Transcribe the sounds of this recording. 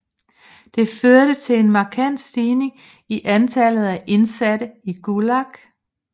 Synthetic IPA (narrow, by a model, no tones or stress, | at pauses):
d̥e̝føɐɾ̥ət͡sʰe̝le̝nmɑ̈ːkʰæn̰d̥sd̥iːne̝ŋ | iʔænt͡sʰælð̞̩ˠæʔe̝nsæd̥əiɡ̥ulɑɡ̥